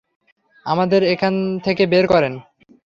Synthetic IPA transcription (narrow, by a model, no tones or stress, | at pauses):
a̰mad̪eɾekʰant̪ʰekebeɾkɔɾen